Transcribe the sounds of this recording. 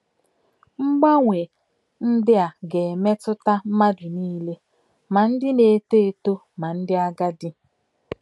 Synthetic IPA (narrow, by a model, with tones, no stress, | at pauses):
ŋ͡m̩˦ɡ͡ba˦ŋʷe˨ | n̩˦dɪ˦a˨ɡe˨me˦tʊ˦ta˦m̩˦ma˦dʊ˨niː˦le˦ | ma˨n̩˦dɪ˦ne˨˦te˦e˨to˦ | ma˨n̩˦dɪ˦a˦ɡa˦dɪ˦